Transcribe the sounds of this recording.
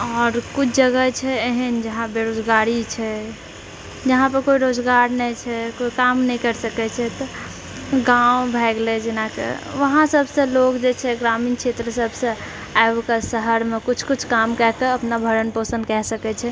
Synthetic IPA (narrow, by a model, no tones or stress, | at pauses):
ɔːɾkut͡ʃʰd͡ʒəɡət͡ʃʰɛeɦənd͡ʒəɦãbeɾod͡ʒɡaɾit͡ʃʰɛ | d͡ʒəɦãpəɾkoiɾod͡ʒɡaɾnɛit͡ʃʰɛkoikamnɛɦĩkəɾsəkɛt͡ʃʰɛt̪ɔ | ɡaũbʱɛɡled͡ʒɪnakḛʋəɦãsəbʱsẽlokd͡ʒet͡ʃʰɛɡɾaminkʃʰet̪ɾəsəbʱsẽ | aebkəsəɦəɾmekut͡ʃʰkut͡ʃʰkamkɛɦkeəpnabʱəɾənposə̃nd̪kɛɦsəkɛt͡ʃʰɛ